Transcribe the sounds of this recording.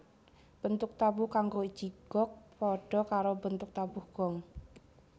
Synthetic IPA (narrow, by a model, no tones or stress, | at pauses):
b̥ənt̪ʊk̚t̪abuhkaŋɡoid̥ʒ̥iɡ̥ɔk̚pɔɖ̥ɔ̤kaɾobənt̪ʊk̚t̪abuhɡ̥ɔŋ